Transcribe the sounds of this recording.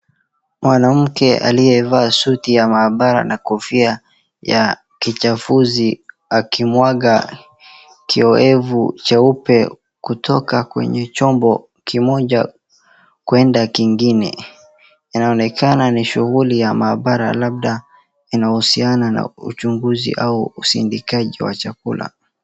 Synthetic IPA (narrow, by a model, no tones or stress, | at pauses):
mwanam̩kɛʔa̰lijɛvaːsutijamaːɓaɾa̰nakɔfia | ja | kit͡ʃafuzi | akʰimwaɠa | kiɔɛvut͡ʃaupɛ | kutʰɔkakwɛ̰ɲɛt͡ʃɔmbɔ | kimɔʄa | kwɛndakiŋɡinɛ̰ | inaɔnɛkʰananiʃuɣulijamaːɓaɾa̰lab̚ɗa | inahusianana̰ut͡ʃuŋɡuzḭʔauusḭndikaʄiwa̰t͡ʃakula̰